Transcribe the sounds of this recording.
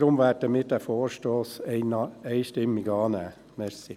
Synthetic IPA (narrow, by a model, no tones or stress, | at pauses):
ɾʊmʋæːt̚əmɪt̚dæfoːɾʃtoːs | eɪʃtɪmːɪɡɑːnæː | mɛɾsɪ